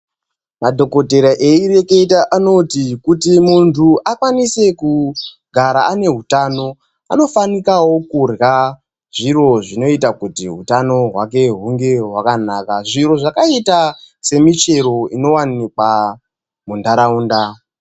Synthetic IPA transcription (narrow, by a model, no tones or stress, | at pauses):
madʱo̞ko̞te̞ɾaʔeiɾe̞keitaʔano̞tikutimuntʰuʔakwanise̞ku | ɡʱaɾaane̞ɦutano̞ | a̰no̞fanikawo̞kurɣa | ʐiro̞ʐino̞itakutiɦṵtano̞ɦwake̞ɦuŋɡe̞ɦwakanakaʐiɾo̞ʐakaita | se̞mit͡ʃe̞ɾo̞ino̞wanikwa | mundaɾauːnda